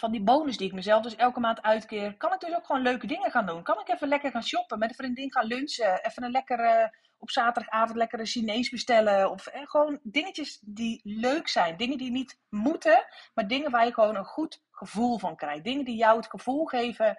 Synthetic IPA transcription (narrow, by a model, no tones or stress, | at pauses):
vɑndiboːwnəsdiɪk̚məzɛlˠfdɵsɛlˠkəmaːntœɥtkɪːrkɑnɪɡ̚døsokxʋoːnløɥkədɪŋəxaːndunkɑnɪkɛfənlɛkərxaːnsjɔpəmɛtəfrɪndɪŋxaːnlønsəɛfənənlɛkər | ɔpsaːtədɑxaːvɔn̩tlɛkərəsinejsbəstɛləɔfɛxəʋoːndɪŋəcəsdiløɥksɛjndɪŋəndinit | mutəmaːrdɪŋənʋaːɹjəxəʋoːwnənχut | χəvulˠvɑnkrɛjdɪŋəndijɔwətxəv̥ulˠxejvə